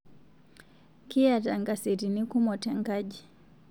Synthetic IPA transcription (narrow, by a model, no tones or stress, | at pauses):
kiataŋɡasiɾinikumɔtɛŋɡaʄi